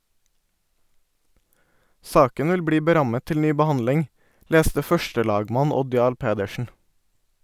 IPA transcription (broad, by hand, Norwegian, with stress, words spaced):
ˈsɑːkən ˈʋɪl ˈbɽiː bəˈɾɑmə ˈtɪl ˈnyː bəˈhɑndlɪŋ ˈleːstə ˈfœʃtəˌlɑːɡmɑn ˈɔd ˈjɑːɭ ˈpeːdəʃn̩